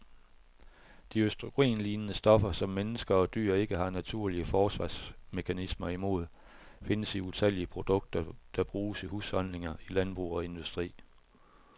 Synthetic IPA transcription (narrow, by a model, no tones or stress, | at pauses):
d̥iøsd̥ʁoɡ̥ʁḛːnliːnənəsd̥ɒ̽fɐsɒ̽mːenəsɡ̥ɐɒ̽d̥y̰ːɐe̝ɡ̥əɦɑ̈næt͡sʰuɐ̰liəfɒːsʋɑ̈ːsme̝kʰænismɐimo̝ð̞ˠ | fe̝nəsiut͡sʰel̰iəpʰʁo̝d̥ɔ̽ɡ̥̚d̥ɐd̥ɑ̈b̥ʁuːsihuːshɒ̽n̰le̝ŋɐilænb̥ʁṵːɒ̽e̝nd̥usd̥ʁḭː